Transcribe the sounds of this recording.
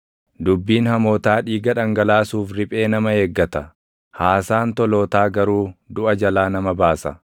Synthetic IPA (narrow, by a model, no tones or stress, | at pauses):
d̪ʊbːiːnhɐmoːt̪aːᶑiːɡɐᶑɐŋɡɐlaːsuːfɾɪpʼe̞ːnɐmɐheːɡːɐt̪ɐ | haːsaːnt̪ɔlo̞ːt̪aːɡɐɾuːd̪ʊʔɐd͡ʒɐlaːnɐmɐbaːsɐ̰